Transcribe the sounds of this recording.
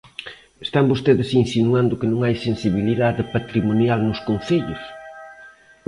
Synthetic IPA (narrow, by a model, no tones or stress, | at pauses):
est̪ambost̪eðɪsinsinuand̪ʊkɪnõŋajsẽnsiβiliðaðɪpat̪ɾimonjalnʊskõnθeʎʊs